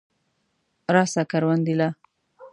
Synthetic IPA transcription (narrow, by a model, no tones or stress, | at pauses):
ɾɑsakaɾwand̪ila